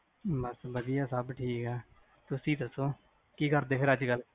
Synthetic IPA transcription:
bəsbəd̪ɪjaːsəbʈʰiːkɦɛː | t̪ʊsĩːt̪əsõː | kiːkəɾd̪eːpʰɪɾəd͡ʒɡəl

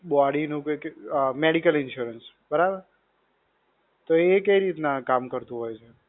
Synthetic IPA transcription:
bɔaɽinũkkmeɽikəlɪnʃuɾəns | bəɾabəɾ | t̪oekəiɾit̪nakamkəɾt̪ũɦojt͡ʃʰe

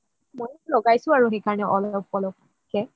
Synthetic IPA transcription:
mojlɔɡajsʊ̃aɹuxejkaɹnɛʔɔlɔp̚kɔlɔk̚ | kɛ

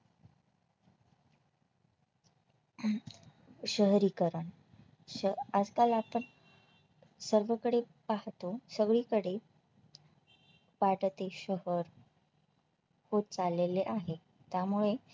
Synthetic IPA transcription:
ɕəɦɾiːkəɾəɳ | əad͡zkalapəɳ | səɾʋəkəɽe | paɦt̪osəɡɭiːkəɽe | ʋaɽt̪eɕəɦəɾ | hot̪̚t͡saleleʔaɦe | t̪jamuɭe

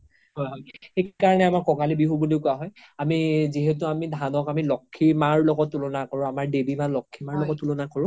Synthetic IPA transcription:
ɦɔjɦɔjxekaɹɔnɛamaɹkɔkalibiɦubudiʊkʊaɦɔj | amiziɦetʊamidʱanɔkamilɔkʰːimaɹlɔɡɔtːulɔnakɔɹʊ̃amaɹdebimalɔkʰːimaɹlɔɡɔtːulɔnakɔɹʊ̃

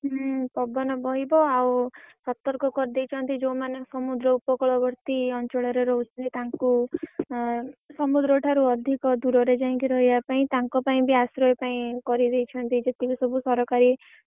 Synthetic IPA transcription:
ɦpɔbɔnɔbɔɦibɔawsɔt̪ɔɾkɔkɔɾid̪ejt͡ʃʰɔnt̪id͡ʒowmanesɔmud̪ɾɔupɔkɔɭɔbʱɔɾt̪iɔnt͡ʃɔɭɔɾeɾɔɦut͡ʃʰɔnt̪it̪aŋku | sɔmud̪ɾɔʈʰaɾuɔd̪ʱikɔd̪uɾɔɾed͡ʒaĩŋkiɾɔɦibapaĩt̪aŋkɔpaĩbʱiasɾɔepaĩkɔɾid̪ejt͡ʃʰɔnt̪id͡ʒet̪ikusɔbusɔɾɔkaɾi

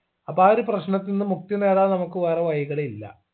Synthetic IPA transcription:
ɐpaːɾɨprɐɕɳɐt̪ːinːɨmuk̚t̪jɐneːɽanɐmɐkːɨʋɐrɐʋɐjɐɣɐɭeilːɐ̰

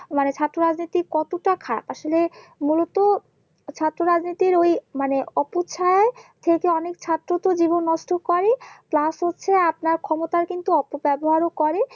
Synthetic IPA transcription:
manet͡ɕʰat̪ːɾoɾad͡ʑnit̪ikɔt̪oʈakʰaɾa̰paʃolemulot̪o | t͡ɕʰat̪ːɾoɾad͡ʑnit̪iɾojmaneɔpot͡ɕʰaat̪ʰekeɔnekt͡ɕʰat̪ːɾot̪od͡ʑibonːɔʃʈokɔɾeplasɦotːɕʰeap̚naɾkʰɔmot̪aɾkint̪uɔpobɛboɦaɾokɔɾe

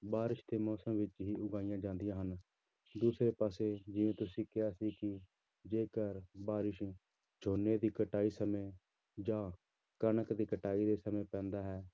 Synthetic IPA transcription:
baːɾɪʃd̪eːmɔːsəmʋɪt͡ʃɦiːʔʊɡaːɪjãːd͡ʒãːnd̪ɪjãːɦən | d̪uːsɾeːpaːseːd͡ʒɪʋẽːt̪ʊsĩːkɪaːsiːkɪ | d͡ʒeːkəɾbaːɾɪʃ | d͡ʒʰoːneːd̪iːkəʈaːiːsəmẽː | d͡ʒãː | kənəkd̪iːkəʈaːiːd̪eːsəmẽːpɛ̃ːnd̪aːɦɛː

